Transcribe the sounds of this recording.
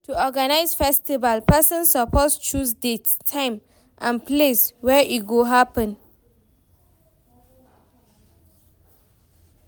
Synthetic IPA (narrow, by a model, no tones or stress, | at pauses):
tuɔɡanaɪsfɛstivalpɛsə̃nsːəpʰɔst͡ʃusdettʰːãɪ̃m | ʔãnpʰleswɛʔit̚ɡoɦapə̃n